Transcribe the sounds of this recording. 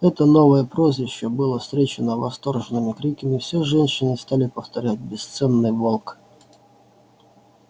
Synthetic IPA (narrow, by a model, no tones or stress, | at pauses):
ɛt̪ɐnɔʋɐjɛpɾɔzʲʋʲɪʃt͡ʃːɛbɨlˠɔst̪ɾʲɛt͡ʃɪnɐʋɐst̪ɔrʒenɪmɪkɾʲikɐmʲiwsʲɛʐɛnʲʃɪnɪst̪ɑlʲɪpɐft̪ɐɾʲatʲbʲɛst̪sɛnːɪjʋɔlˠk